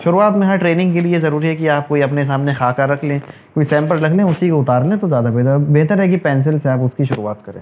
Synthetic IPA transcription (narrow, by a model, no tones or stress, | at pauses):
ʃʊɾuːaːt̪mẽɦɐɾʈɾeːnɪ̃ŋɡkeliezɐɾuːɾiɦɛkiaːp̚koːiɐpnes̬aːmnexaːkaɾɐkʰlẽːkoːisɛ̃ːmpəɾɾɐkʰlẽːʊsikoʊt̪aːɾlẽːt̪ozjaːd̪apeːd̪abeːt̪əɾɦɛkipɛ̃ːns̬ɪlseaːpʊskiʃʊɾuːaːt̪̚kɐɾḛ̃ː